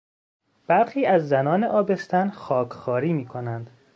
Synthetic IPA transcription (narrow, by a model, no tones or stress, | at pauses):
b̥æɾxiːæzːænɒːneʔɒːbe̞st̪ʰænxɒːkʰxɒːɾiːmiːkʰonænd̪̥